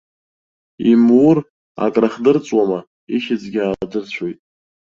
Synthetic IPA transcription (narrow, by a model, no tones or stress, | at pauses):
imur | a̰kʼraχdɨrt͡sʼwama | iʃɪd͡zɡʲaːdɨrt͡ɕʷʰojtʼ